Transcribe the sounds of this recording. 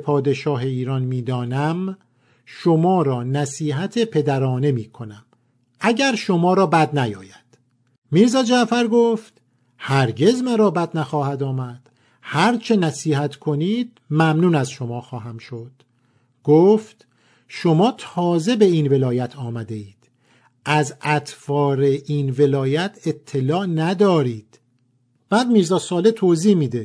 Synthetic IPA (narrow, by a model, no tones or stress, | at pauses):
pʰɒːd̪e̞ʃɒːɦe̞iːɾɒnmiːd̪ɒːnæm | ʃo̞mɒːɾɒːnæsiːɦæt̪ʰepʰe̞d̪æɾɒːne̞miːkʰo̞næm | ʔæɟæɾʃo̞mɒːɾɒːbæd̪næjɒ̰ːjæd̪̥ | miːɾzɒːd͡ʒæʔfæɾɡoːft̪ | hæɾɟe̞zmæɾɒːbæd̪næxɒːhæd̪ɒːmæd̪̥ | hæɾt͡ʃʰe̞næsiːhæt̪ʰkʰo̞niːd̪̥̚ | mæmnuːnæzʃo̞mɒːxɒːɦæmʃod̪̥ | ɡ̥oːft̪ | ʃo̞mɒːt̪ʰɒːze̞be̞inve̞lɒːjæt̪ʰɒːmæd̪e̞iːd̪̥ | ʔæzʔæt̪fɒːɾe̞ʔinve̞lɒːjæt̪ʰe̞t̪ʰːe̞lɒːʔnæd̪ɒːɾiːd̪̥ | b̥æːd̪miːɾzɒːsɒːle̞t̪ʰoːziːhmiːd̪e̞